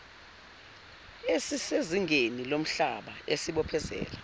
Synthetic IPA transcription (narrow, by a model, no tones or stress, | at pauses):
esiseziŋenilom̩ɬa̰ɓaesiɓɔpʰɛzɛ̰ːla